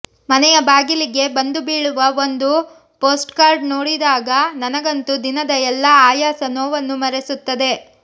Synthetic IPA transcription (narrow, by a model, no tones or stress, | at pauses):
mɐnɛjɐbaːɡiliɡe̞bɐnd̪ubiːɭuʋɐo̞nd̪u | poːsʈkaːɾɖnoːɽid̪aːɡɐnɐnɐɡɐnt̪ud̪inɐd̪ɐɛlːɐaːjaːsɐnoːʋɐnːumɐɾesut̪ːɐd̪e̞